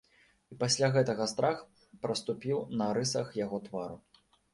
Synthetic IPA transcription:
ipasʲlʲaɣɛt̪ɐɣɐst̪ɾax | pɾɐst̪upʲiwnɐɾɨsɐxjaɣɔt̪vaɾu

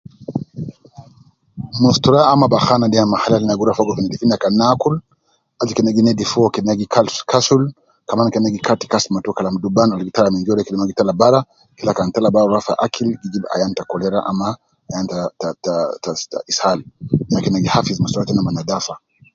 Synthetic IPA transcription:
mustuɾaamabaxanadɛamahalalinaɡuɾafɔɡɔkinɛdifinakanakul | ad͡ʒikɛnaɡinɛdifuɔkɛnaɡikalkasul | kamankɛnaɡikati̥kasmatukalamdubanalɡitalamiŋɡiɔlɛkilimaɡitalabaɾa | kilakantalabauɾafa̰ʔakilɡid͡ʒiba̰jantakɔlɛɾaʔa̰ma | ajantatta̰ishalnakɛnaɡihafizmustuɾatɛnamanadafa

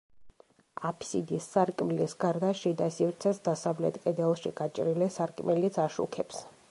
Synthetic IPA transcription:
apʰsḭd̪isːaɾkʼmilisɡaɾd̪aʃid̪asivɾt̪sʰɛsd̪asavlɛt̪ʼkʼɛd̪ɛlˠʃḭɡat͡ʃʼɾilɛsaɾkʼmilit̪sʰaʃṵkʰɛps

